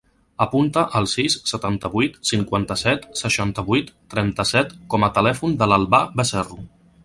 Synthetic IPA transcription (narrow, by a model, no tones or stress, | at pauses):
əpunt̪əʔəlˠsisːət̪ant̪əβujt̪siŋkwant̪əsɛt̪səʃant̪əβujt̪ːɾɛnt̪əsɛt̪kɔmət̪əlɛfund̪ələlˠβabəsɛru